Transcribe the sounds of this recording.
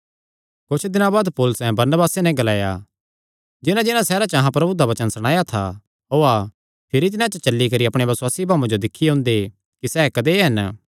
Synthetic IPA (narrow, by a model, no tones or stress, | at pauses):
kʊt͡ʃʰd̪ɪnãbaːd̪poːlʊsɛ̃bɐɾnəbaːsenɛ̃ɡɐlaːja | d͡ʒɪnãd͡ʒɪnãsɛːɾat͡ʃəɐɦãpɾɐbud̪aʋɐt͡ʃənsɐɽ̃aːjat̪ʰa̰ | oːa | pʰɪɾit̪̬ɪnãt͡ʃət͡ʃɐlːikɐɾiɐpɽ̃ebɐswaːsibʱaːmãd͡ʒod̪ɪkʰːiɦʊ̃ːnd̪e | kisɛːkɐd̪eɦɐn